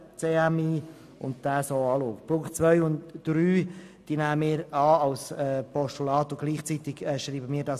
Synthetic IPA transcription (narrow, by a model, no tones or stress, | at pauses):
t͡seːæmiː | ʊ̰ntd̥æːsoːɑːloːfplʊχt͡sʋœʏʊntd̥ɾyː | d̪̥iːnæːəmɪːɾɑːɑlsɛːpɔʃtulɑːt̪ʊɡ̥liːχt͡sit̪ɪɡ̥ɛːʃɾiːbəmɪːɾdɑːs